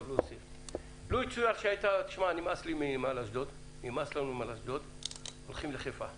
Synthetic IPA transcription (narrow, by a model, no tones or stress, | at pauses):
lusif | luit͡sujalʃeajt̪at̪i̥ʃmaːnimaslimimalaʃd̪od̪ | nimaslanumimalaʃd̪od̪ | olχimleχefa